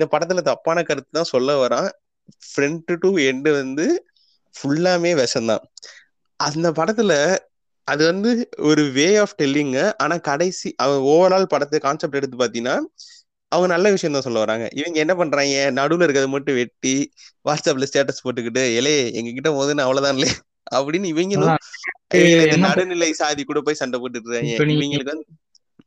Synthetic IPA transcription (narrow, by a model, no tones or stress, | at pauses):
ɪnd̪ɐpɐɽɐt̪ːɯɪlɐt̪ɐpːaːnɐkɐɾɯt̪ːɯt̪ãːsɔlːɐʋɐɾãː | fɾɛɳʈːɯʈuːɛɳɖɯʋɐnd̪ɯ | fʊɭːaːmeːʋɛʂɐnd̪ã̰ː | ʔɐnd̪ɐpɐɽɐt̪ːɯlɐ | ʔɐðɯʋɐnd̪ɯɔɾɯʋeːaːfʈɛlːɪŋɡɐʔaːnaːkɐɽɐɪsiʔɐʋɐŋɡɐɔʋɐɾaːlpɐɽɐt̪ːɯkaːnsɐp̚ʈɛɽɯt̪ːɯpaːɾt̪ɪŋnːaː | ɐʋɐŋɡɐnɐlːɐʋɪʂɐɪjɐ̃t̪ãːsɔlːɐʋɐɾaːŋɡɐ̰ʔɪʋɐŋɡɐɛnːɐpɐɳːɾaːŋɡɐnɐɽɯlɪɾɯkːɐðɐmɐʈːɯ̃ʋɛʈːiʋaːsɐpːlɐsʈaːʈːɐspoːʈːɯkːɪʈːɯɛlɐjɛ̰ŋɡɐkɪʈːɐpoːðɯnːɯɐʋɐɭɐt̪ãːɪlːɐjɐ | ɐpːɐɽɪnːɪʋɐŋɡɐlʊ̃ɪʋɐɡɐɪnd̪ɐnɐɽɯnɪlɐɪsaːðikːuːɽɐpːoːjsɐɳɖɐpoːʈːɯɾãɪʋɐŋɡɐɭɯkːɯɐn